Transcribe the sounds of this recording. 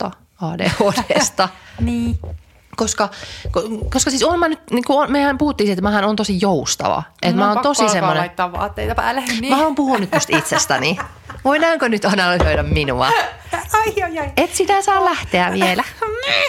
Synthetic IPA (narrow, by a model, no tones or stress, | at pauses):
ɑ | ɑːdḛod̥est̪ɑniː | koskɑkokoskɑsisonmænyt̪nikuomeæmpuhut̪ːiːsiet̪mæhænoːnt̪osijoust̪ɑ̰ʋɑ̰ʔet̪mæoːnt̪osissemːonet̪ːɑʋʋɑ̰ːt̪ːejt̪ɑplæhmæoːmpuhunːyt̪t̪ost̪it̪sest̪æni | ʋoinɑːŋkonyt̪ɑnɑlysøiɾæmminuɑ̰ | et̪sit̪æsɑːllæht̪eæʋielæ